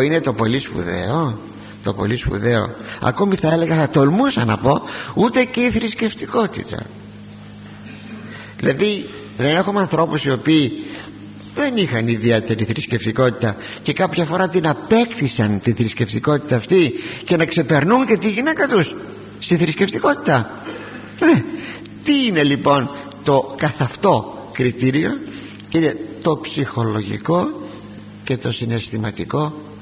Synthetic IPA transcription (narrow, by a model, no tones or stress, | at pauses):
ine̞t̪o̞po̞lispṵðḛo | t̪o̞̰po̰lispṵðe̞o̞̰ɐ̰ko̞miθɐele̞ɣɐθɐt̪o̞lmusɐnɐ̰po̞ut̪e̞ceiθɾisce̞ft̪iko̞t̪ḭt̪ɐ̰ | ðilɐði | ðe̞ne̞xumɐnθɾo̞pusio̞piː | ðe̞nixɐniðie̞t̪e̞ɾiθɾisce̞ft̪iko̞t̪it̪ɐce̞kɐpçɐfo̞ɾɐt̪inɐpe̞kθisɐnt̪iθɾisce̞ft̪iko̞t̪i̥t̪ɐːft̪ice̞nɐkse̞pe̞ɾnunce̞t̪iʝinekɐt̪us | st̪iθɾisce̞ft̪iko̞t̪i̥t̪ɐ | ne | t̪iine̞lipo̞n | t̪o̞kɐθɐft̪o̞kɾit̪iɾio̞ | ine̞t̪o̞psixo̞lo̞ʝḭko̞ | ce̞t̪o̞sine̞st̪imɐt̪iko̞